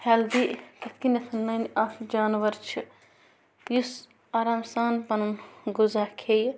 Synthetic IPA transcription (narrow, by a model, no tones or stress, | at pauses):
hɛld̪iːkɐt̪̚ʰkinɐt̪ʰɐnːɐnaːfd͡ʒaːnʋɐɾt͡ʃʰi | jus | aːɾaːmsaːnpɐnunɡuzaːkʰej